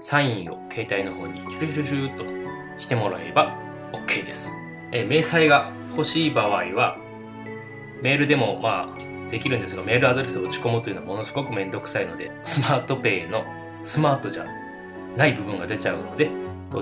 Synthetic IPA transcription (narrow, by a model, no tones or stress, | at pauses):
sãĩɰ̃o̞̰kʰe̞ːt̪aino̞ho̞ːɲ̟it͡ɕɨɾʲɯçiɾɯʑɯt̪o̞ | ɕi̥t̪e̞mo̞ɾaeɾeba | okʰʲːe̞ːd̪e̞sɨ̥ | eme̞ːsaiɡa | ho̞ɕiːbaβ̞aiβa | me̞ːɾɯ̟d̪e̞mo̞maː | d̪e̞kʲiɾɯ̟nd̪esɨɡame̞ːɾɯ̟ad̪o̞ɾe̞sɨoɯ̟t͡ɕi̥ko̞mɯ̟t̪o̞jɯ̟noamono̞sɨɡo̞kɯ̟mẽ̞nd̪o̞kɯ̟̥saino̞̰d̪e̞̰sɨmaːt̪o̞pe̞ːno̞ | sɨmaːt̪o̞ʑa̰ | naibɯ̟bɯ̟̃ŋɡad̪e̞t͡ɕaɯ̟no̞d̪e̞ | t̪o